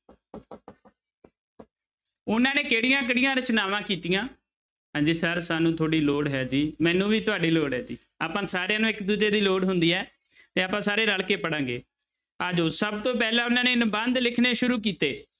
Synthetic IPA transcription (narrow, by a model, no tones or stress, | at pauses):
ʊnãːneːkeːɽɪjãːkəɽɪjãːɾt͡ʃʊnaːʋãːkiːt̪ɪjãː | ɦãːd͡ʒiːsəɾsaːnũːt̪ʰoːɽiːloːɽɦɛːd͡ʒiːmɛ̃ːnũːʋiːt̪ʊaːɖiːloːɽɦɛːd͡ʒḭː | aːpãːsaːɾejãːnũːɪkd̪uːd͡ʒeːd̪iːloːɽɦʊnd̪iːɛː | t̪eːaːpãːsaːɾeːləɭkeːpəɽãːŋɡḛː | əd͡ʒoːsəbt̪õːpɛːlãːʊnãːneːɪnbənd̪lɪkʰneːʃʊɾuːkiːt̪eː